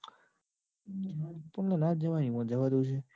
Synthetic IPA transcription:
pəɳnalaɾd͡ʒəʋanipə̃ɳd͡ʒəʋad̪ut͡ʃʰe

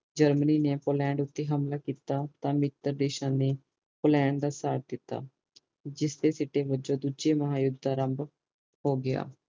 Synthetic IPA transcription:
d͡ʒəɾməniːneːpoːlɛ̃ːɳɖʊt̪ːeːɦəmlaːkiːt̪aːt̪ãːmɪt̪ːəɾd̪eːʃãːneː | poːlɛ̃ːɳɖd̪aːsaːɾʈ̚d̪ɪt̪ːa̰ː | d͡ʒɪsd̪eːsɪʈeːbəd͡ʒõːd̪uːd͡ʒeːməɦaːjʊd̪ʱaːɾəmb | hoːɡɪa̰ː

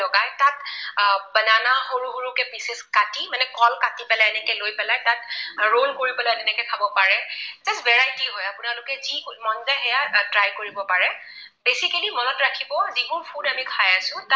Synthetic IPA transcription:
ɔɡajtat | bənanaxoɹuɦoɹukɛbiseskatimanɛkɔlkatipɛlajɛnɛkɛlojpɛlajtatɹonkoɹipɛlatɛnɛkɛkʰabɔpaɹɛzasbɛɹajtiɦɔjapʊnalʊkɛzikutmɔndaɦɛjatɹajkoɹibɔpaɹɛ | besikalimɔnɔtɹakʰibɔzibunpʰudamikʰajasʊ̃ta

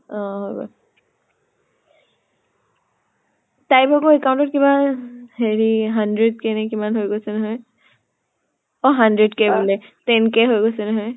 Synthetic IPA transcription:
ɔ̃ɦojbɔ̰ | tajpɔkoɛkawntɔtkibaheɹiɦandɹɛd̚kɛnɛkimanɦojɡosɛnaɦɔj | ɔɦandɹɛdkebulɛtɛnkeɦojɡosɛnaɦɔj

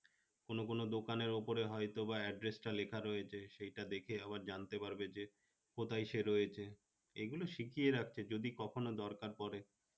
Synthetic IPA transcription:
konokonod̪okaneɾopoɾeɦɔjt̪obaɛɖɾesʈalekʰaɾɔjet͡ɕʰeʃejʈad̪ekʰeabaɾd͡ʑant̪epaɾbed͡ʑe | kot̪ʰajʃeɾɔjet͡ɕʰe | eɡuloʃikieɾak̚ʰt͡ɕʰed͡ʑod̪ikɔkʰonod̪ɔɾkaɾpɔɾe

